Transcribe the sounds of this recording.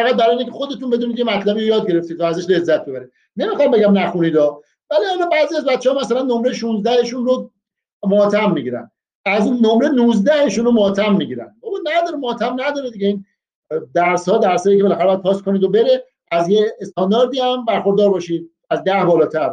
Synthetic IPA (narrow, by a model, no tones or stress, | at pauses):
faʁæt̪̚bæɾɒːinekʰʲexod̪e̞t̪unbe̞d̪uniːd̪jemæt̪ʰlæbijojɒːd̪̚ɡe̞ɾe̞ft̪id̪̚t̪ʰɔæzæʃle̞zːæt̪̚be̞βæɾi | ne̞mixɒmbeɡæmnæxuniːd̪ɒː | væliælɒbæːziæzbæt̪t͡ʃːehɔmæsælænːomɾe̞jʃunzd̪æheʃunro | mot̪ʰæmːiɟiɾæ̰n | æznomɾenuzd̪æheʃunromot̪ʰæmːiɡiɾæ̰nd̪bobɒnæd̪ɒɾemoht̪ʰæmnæd̪ɒːɾed̪iɡɟeiːn | d̪æɾshɒːd̪æɾsɒːjikʰe̞belæxæɾeɒæd̪̚pʰɒːskʰoniːd̪obe̞ɾe | æzjeːst̪ʰɒnd̪ɒːɾd̪iæmbæɾxoɾd̪ɒːɾbɒːʃid̪̚ | æzd̪æhbɒːlɒːt̪ʰæɾ